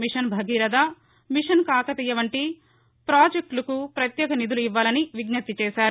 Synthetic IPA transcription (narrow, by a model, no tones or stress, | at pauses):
miʂɐnbʱɐɡiːɾɐd̪a | miʂɐnkaːkɐt̪iːjːɐʋɐɳʈi | pɾaːd͡ʒek̚ʈlɐkupɾɐt̪jɛːkɐnid̪uluiʋːaːlɐniʋiɡnɐt̪ːit͡ʃɛːʃaːɾu